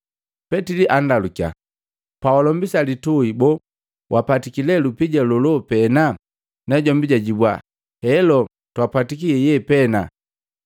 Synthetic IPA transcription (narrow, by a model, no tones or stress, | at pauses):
pɛtiliʔandalukja̰ | pawalɔmbisalituibɔ | wʔapatikilɛlupiɟalɔlɔpɛna | nɛɟɔmbiɟaɟibwa | hɛlɔ | twapatikiɛjɛpɛna